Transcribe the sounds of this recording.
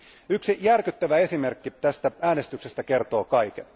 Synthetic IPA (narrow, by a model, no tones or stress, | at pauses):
yksijærkyt̪ːæʋæe̞sime̞rkːit̪æst̪ææːne̞st̪yksest̪æke̞rt̪o̞ːkɑjke